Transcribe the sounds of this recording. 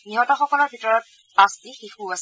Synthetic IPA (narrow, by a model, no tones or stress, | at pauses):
niɦɔtɔxɔkɔlɔɹbʱitɔɹɔt̚ | pastixixuas